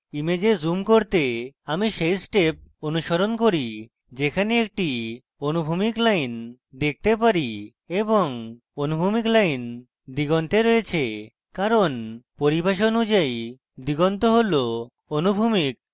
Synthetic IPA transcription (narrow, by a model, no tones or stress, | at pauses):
imed͡ʑezumkoɾt̪eamiʃejsʈep̚onuʃoɾonkoɾi | d͡ʑekʰaneek̚ʈi | onubʱumiklajn | d̪ek̚ʰt̪ep̬aɾi | eboŋ | onubʱumiklajn | d̪iɡɔnt̪eɾɔjet͡ɕʰe | kaɾonpoɾibaʃ̬oonud͡ʑaj | d̪iɡɔnt̪oɦolo | onubʱumik̚